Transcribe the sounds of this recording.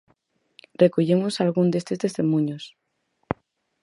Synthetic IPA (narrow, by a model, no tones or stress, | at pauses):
rekoʎemosalɣund̪est̪est̪e̞st̪emũɲos